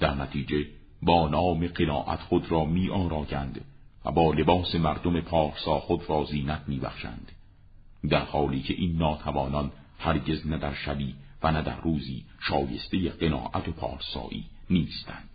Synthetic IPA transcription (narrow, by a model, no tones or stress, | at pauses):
d̪̥æɾnæt̪ʰiːd͡ʒe̞ | bɒːnɒːme̞ɢenɒːʔæ̰t̪xod̪ɾɒːmiːʔɒːɾɒːjænd̪væ̰bɒːle̞bɒːse̞mæɾd̪ome̞pʰɒːɾsɒːxod̪ɾɒːziːnæt̪miːbæ̰χʃæ̰nd̪̥ | d̪æɾhɒːliːcʰe̞ʔiːnːɒːt̪ʰævɒːnɒn | hæɾɟe̞znæd̪æɾʃæbiːvænæd̪æ̰ɾːuːziːʃɒːje̞̰st̪e̞jeɢe̞nɒ̰ːʔæt̪ʰopʰɒ̰ːɾsɒ̰ːʔḭːniːst̪ænd̪̥